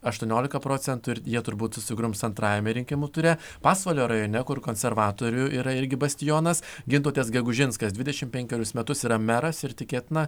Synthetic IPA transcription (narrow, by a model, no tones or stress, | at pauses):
ɐʃt̪uɔnʲoːlʲɪkɐpɾoːt̪sʲɛnt̪ʊɪɾjiɛt̪ʊɾbuːt̪sʊsʲɪɡɾʊmsɐnt̪ɾɑːjɛmʲɛɾʲɪŋʲkʲɪmuːt̪ʊɾʲe | pɑːsʋɐlʲoːɾɐjoːnʲɛkʊɾkoːnʲsʲɛɾʋɑːt̪oːɾʲʊʔiːɾɐɪɾʲɡʲɪbɐsʲt̪ʲɪjoːnɐsɡʲɪnt̪ˠoːt̪ʲeːsɡʲɛɡʊʒʲɪnskɐsd̪ʲʋʲɪd̪ʲɛʃʲɪmpʲɛŋʲkʲɛɾʲʊsmʲɛt̪ʊsiːɾɐmʲæɾɐsɪɾt̪ʲɪkʲeːt̪ʲnɐ